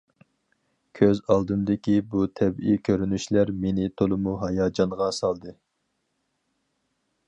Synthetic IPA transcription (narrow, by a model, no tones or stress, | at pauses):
kʲʰøzɑlˠd̪ɨmd̪ɪkʲibut̪ʰɛbikʲʰøɾynyʃlæɾmenɪt̪ʰolˠɨmuɦɑjɑːd͡ʒɑnʁɑsɑlˠd̪ɨ